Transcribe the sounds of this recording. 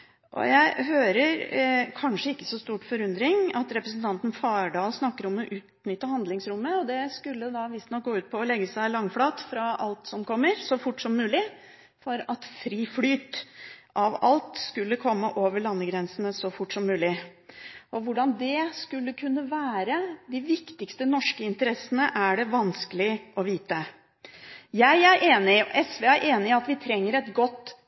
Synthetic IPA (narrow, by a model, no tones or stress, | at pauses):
ʔɔ̰jæɪɦøːɾəɾkʰɑnʂəɪkːə̥sɔst̪uːʈfɔɾʉnd̪ɾɪŋɑt̪ɾɛpɾəs̬n̩t̪ʰɑnt̪n̩fɑːɖɑːlsnɑkːəɾɔmːɔʔʉːt̪nʏt̪ːəhɑnd̪lɪŋsɾʊmːəɔd̪ɛskʉlːəd̪ɑʋɪst̪nɔk̚ɡoːʉːt̪pʰɔɔlɛɡːəsæɪlɑŋːflɑːt̪fɾɑɑ̰lt̪sɔmkʰɔmːəɾsɔfʊʈːsɔmːʉːlɪ | fɔɾɑt̪fɾiːflyːt̪ʔɑʋɑ̰lt̪skʉlːəkʰɔmːəʔoːʋəɭɑnːəɡɾɛnsənəsɔfʊʈːsɔmːʉːlɪ | ʔɔʋʊɖɑnd̪ɛskʉlːəkʰʉnːəʋæːɾəd̪ɪʋɪkt̪ɪkst̪ənɔʂkəɪnt̪əɾɛsənəʔæɖɛʋɑnskəlɪʔɔʋiːt̪ə | jæɪæɾʔeːnɪʔɛsʋeːæɾʔeːnɪɑt̪ʋɪt̪ʰɾɛŋːəɾɛt̪ɡɔt̪ː